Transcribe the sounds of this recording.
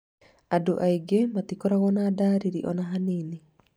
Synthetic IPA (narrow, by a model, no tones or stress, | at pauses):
adoʔaiɡematikɔɾaɣɔnaːdaːɾiɾiʔɔnaɦaniːni